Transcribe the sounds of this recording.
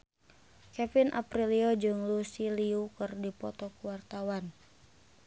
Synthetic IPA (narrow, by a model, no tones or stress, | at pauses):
kɛfinʔa̰pɾiliɔd͡ʒɨŋlusiliukɨrdipɔ̰t̪ɔkuwart̪awan